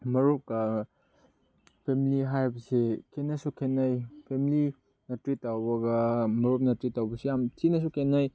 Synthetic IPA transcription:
mɐɾop̚kɐ | pʰemiliɦajbɐsekʰenɐsukʰenːajpʰemili | nɐtɾitːawbɐɡɐmɐɾop̚nɐtɾitːawbɐsejamtinɐs̬ukʰenaj

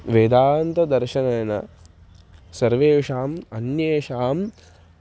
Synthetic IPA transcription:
ʋeːd̪aːɐnt̪ɐd̪ɐɾʃɐnɐjɐnɐ̰ | sɐɾʋeːʂaːmɐnjeːʂaːm

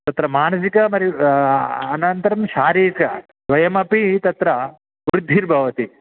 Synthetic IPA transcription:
t̪ɐt̪ɾɐmaːnɐs̬ikɐmɐɾi | ɐnɐnt̪ɐɾɐmʃaːɾiːkɐ | sʋɐjɐmɐpit̪ɐt̪ɾɐ | ʋɾud̪ʱːiɾbʱɐʋɐt̪i

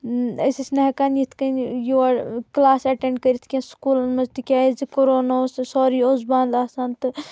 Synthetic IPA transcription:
ɐsisnɐɦkanjit̪ʰkɐnjuaɽklaːsɐʈeɳɖ̚kɐɾit̪ʰkʲẽskuːlɐnmɐzt̪ikʲaːizikoɾoːnaossoːɾiːozbaːnd̪aːsaːnt̪ɨ

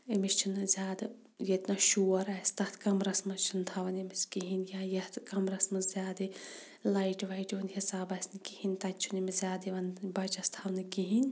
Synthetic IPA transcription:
emist͡ʃʰinɨzʲjaːd̪ɐ | jet̪nɐʃuːɐɾaːst̪ɐt̪ʰkɐmɾɐsmɐst͡ʃʰunt̪ʰɐʋɐnemiskiɦinʲjajɐt̪kɐmɾɐsmɐzʲaːd̪i | lajʈʋɐjʈʋɐnhisaːbɐsʲnikihinʲt̪ɐt͡ʃʰunimizʲjaːd̪iʋɐnbɐt͡ʃɐst̪ʰɐʋnɨkiɦinʲ

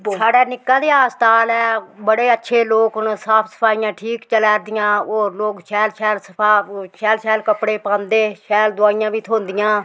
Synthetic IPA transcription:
saːɖɛːnɪkːãːd̪eːaːst̪aːlɛːbəɽeːətːʃʰeːloːknsaːpʰsə̥pʰaːijãːʈʰiːkt͡ʃəlɛːɾd̪ɪjãːoːloːkʃɛːlʃɛːlsəpʰaːʃɛːlʃɛːlkəpɽeːpãːnd̪eːʃɛːld̪ʊaːijãːʋiːt̪ʰõːnd̪ɪjãː

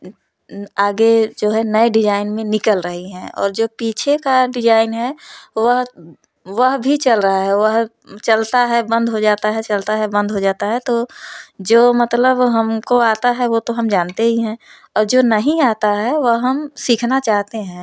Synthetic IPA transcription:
aːɡed͡ʒoːɦɛnəeɖɪd͡ʒaːɪnmẽnɪkəlɾəɦiɦɛ̃ːɔ̰ːɾd͡ʒoːpiːt͡ʃʰekaɖɪd͡ʒaːɪnɦɛʋəɦ | ʋəɦbʱit͡ʃɐlɾɐɦaɦɛʋəɦ | t͡ʃɐlt̪aɦɛbə̃nd̪ʱɦod͡ʒaːt̪aɦɛt͡ʃɐlt̪aɦɛbə̃nd̪ʱɦod͡ʒaːt̪aɦɛt̪od͡ʒoːmɐt̪ləbɦɐmkoaːt̪aɦɛʋot̪oɦɐmd͡ʒaːnt̪eɦiɦɛ̃ | ɔːɾd͡ʒoːnɐɦĩaːt̪aɦɛʋəɦɦɐmsiːkʰnat͡ʃaːɦt̪eɦɛ̃ː

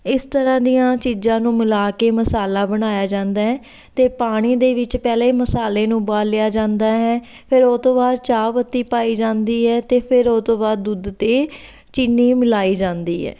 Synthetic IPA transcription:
ɪst̪əɾãːd̪ijãːt͡ʃiːzãːnũːmɪlaːkeːməsaːlaːbəɽ̃aːjaːd͡ʒãːnd̪aːɦɛː | t̪eːpaːɽ̃iːd̪eːʋɪt͡ʃpɛːleːməsaːleːnũːbaːlːɪjaːd͡ʒãːnd̪aːɦɛː | pʰɪɾoːt̪õːbaːd̪̚t͡ʃaːʋət̪ːiːpaːiːd͡ʒãːnd̪iːɦɛːt̪eːpʰɪɾoːt̪õːbaːd̪d̪ːud̪t̪eː | t͡ʃɪnːiːmɪlaːiːd͡ʒãːnd̪iːɦɛ̰ː

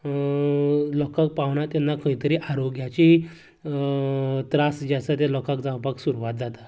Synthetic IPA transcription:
lɔkak̚paʋɳat̪janːakəit̪əɾiːʔaɾoɡjat͡ɕi | t̪ɾasd͡ʑasat̪elɔkakd͡zãwpaksuɾuʋat̪̚d͡zat̪a

